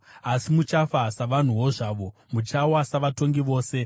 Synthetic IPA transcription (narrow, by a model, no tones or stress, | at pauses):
asimut͡ʃafasaʋan̤uwo̞ʐaːʋo̞mut͡ʃawasaʋato̞ŋɡiʋo̞ːse̞